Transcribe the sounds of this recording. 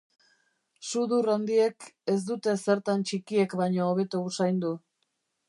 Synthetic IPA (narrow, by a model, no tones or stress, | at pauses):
suðurand̪ie̞ke̞zd̪ut̪e̞se̞ɾt̪ant͡ʃikie̞kbaɲo̞ːβ̞e̞t̪uusajnd̪u